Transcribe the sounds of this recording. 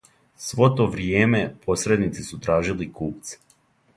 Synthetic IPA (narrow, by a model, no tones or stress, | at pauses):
sʋo̞t̪o̞ʋɾjeːme̞pʰo̞sɾe̞d̪nit̪sisut̪ɾaːʒilikuːp̚t̪s